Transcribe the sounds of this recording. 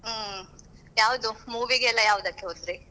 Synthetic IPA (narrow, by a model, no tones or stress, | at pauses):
jaːʋud̪umuːʋiɡeɛlːɐjaːʋud̪ɐkːeɦoːt̪ɾi